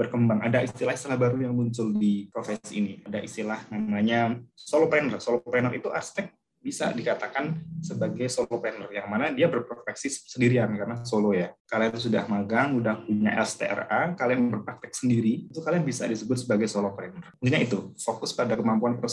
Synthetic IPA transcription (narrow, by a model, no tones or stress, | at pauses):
bərkəmbaŋa̰daʔist̪ilahist̪ilahbaɾujaŋmuɲt͡ʃʊldipɾofɛsḭniadaʔist̪ilahnamaɲasolopɾɛnərsolopɾɛnərit̪uʔa̰rst̪ɛk̚ | bisa̰dikat̪akansəbaɡajsolopɾɛnərjaŋmanadiabərpɾot̪ɛksisəndiɾiankaɾənasolojakalijat̪usuda̰hmaɡaŋudahpuɲa̰ʔɛ̰lst̪ḛʔɛ̰rakaliaŋbərpɾak̚t̪ɛk̚səndiɾiit̪ukaliaŋbisa̰disəbʊt̪̚səbaɡajsolopɾɛnərənt̪uɲait̪ufokʊspadakəmampuanpɾo